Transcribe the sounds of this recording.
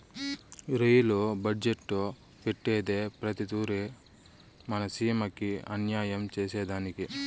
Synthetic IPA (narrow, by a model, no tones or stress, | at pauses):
ɾejlobɐɖd͡ʒeʈːu | peʈːeːd̪eːpɾɐt̪it̪uːɾe | mɐnɐsiːɐmɐkːiɐ̰njaːjɐmt͡ʃeːsɛːd̪aːniki